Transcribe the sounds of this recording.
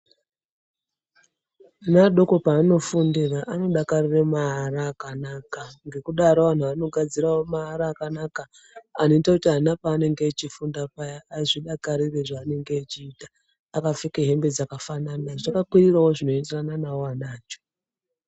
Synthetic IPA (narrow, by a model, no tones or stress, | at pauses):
naɗokopaːno̞fundiraʔano̞ɗakariremaaraːkanakaŋɡe̞kuɗaɾoʋan̤uano̞ɡʱad͡zirawomaaɾaːkanakaː | no̞itakutiɦanapaːne̞ŋɡeːt͡ʃifundapajaaʐiɗakaɾire̞ʐaːne̞ŋɡeːt͡ʃiːtaː | kafikeɦe̞mbed͡zakafananaʐakakwirirawoʐino̞iterananawoanaːt͡ʃo̥